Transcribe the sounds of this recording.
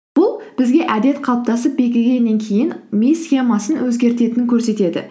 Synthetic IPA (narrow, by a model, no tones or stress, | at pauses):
b̥ʊlˠb̥ɪzɡʲe̞ʔæd̪e̞t̪qʰɑlˠp̚t̪ɑsəp̚be̞kʲɪlɡʲe̞nːe̞ŋkʲʰe̞jɪnmʲijsxʲe̞mɑsənwɵzɡʲe̞ɾt̪e̞t̪ɪnɪŋkʲʰɵɾse̞t̪e̞d̪ɪ̰